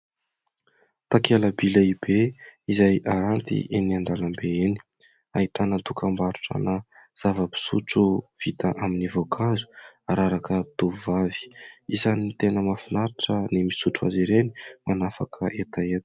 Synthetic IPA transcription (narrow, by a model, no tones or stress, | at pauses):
t̪akeləbilaibeizajʔaɾant̪ḭʔeniand̪alambeeni̥ | aɦit̪anət̪ukambaɾuʈ͡ʂə̰naz̥avəbi̥sṵʈ͡ʂuv̥it̪aʔaminivokʰazu̥aɾaɾakət̪uvavi̥izanit̪enəmafinaɾiʈ͡ʂənimisuʈ͡ʂua̰ziɾeni̥manafakʰəʔet̪aet̪